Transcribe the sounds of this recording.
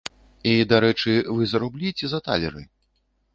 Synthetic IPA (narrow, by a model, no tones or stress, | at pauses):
id̪aɾɛt͡ʂɨvɨzɐɾublʲit͡sʲɛzɐt̪a̰lʲɛɾɨ